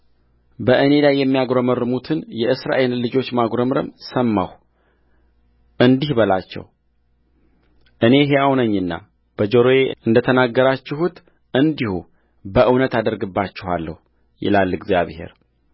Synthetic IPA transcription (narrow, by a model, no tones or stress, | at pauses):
bəʔɨne̞lajːɛmːijaɡɾəmɨɾɨmut̪ʰɨnjɛʔɨsɾa̰ʔellɨd͡ʒo̞t͡ʃːmaɡɾəmɨɾə̰msəmːaw | ʔɨnd̪ihbəlat͡ʃːɛ̰w | ʔɨne̞ɦejawnəɲːɨnːa̰ | b̥əd͡ʒoɾoeɨnd̪ət̪ʰənaɡːəɾat͡ʃːɪɦut̪ | ʔɨnd̪ihṵ | bəʔɨwnət̪ad̪əɾɡɨbːat͡ʃːɪhwa̰lːə̰hu | jɪ̰lalːɨɡzja̰βhe̞̰ɾ